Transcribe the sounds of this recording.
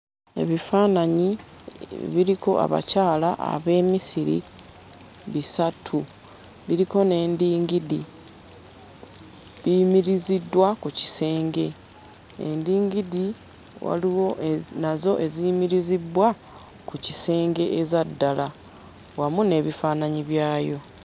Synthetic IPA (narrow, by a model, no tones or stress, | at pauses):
e̞̰βifaːnaɲi | βiɾiko̞̰ʔa̰βa̰caːlaʔa̰βe̞ːmisiɾḭ | βisatʰu | βiɾiko̞ne̞ːndiːŋɡidi | βimiɾizidwakuci̥se̞ːŋɡe̞ | ḛndiːŋɡidi | wa̰liwonazo̞ʔe̞zimiɾizibwa | kucise̞ːŋɡe̞ʔezadːala | wamune̞ːβifaːnaɲiβjaːjo̞